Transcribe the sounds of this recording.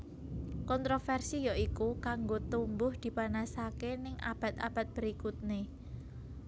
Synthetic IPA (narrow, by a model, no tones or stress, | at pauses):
kɔnt̪ɾofɛrsijɔʔikukaŋɡot̪umbʊhd̪̥i̤panasakenɪŋʔa̰b̥a̤t̪a̰b̥a̤t̪̚b̥əɾikut̪̚ne